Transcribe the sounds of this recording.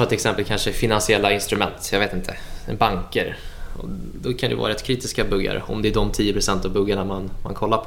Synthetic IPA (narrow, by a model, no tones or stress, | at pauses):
ɑːt̪ɪlɛksɛmpəlkʰanʂəfɪnansɪɛlːaɪnst̪ɾɵmɛ̰nt̪jɑveːt̪ɪnt̪ʰə | baŋkəɾɔ̰d̪ɔkʰand̪ɛvɑ̰ːɾɛt̪kʰɾiːt̪ɪskabɵɡːa̰ɾɔ̰md̪ɛæɖɔmt̪ʰiːjəpɾʊsɛnt̪avbɵɡːaɳamanma̰nkʰɔlːaɾpʰ